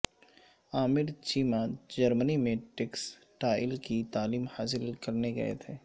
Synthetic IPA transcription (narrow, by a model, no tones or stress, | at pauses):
aːmɪɾt͡ʃiːmad͡ʒɐɾmənimẽʈɪks | ʈaːɪlkit̪aːliːmhaːs̬ɪlkɐɾneɡɐ̰ḛt̪ʰeː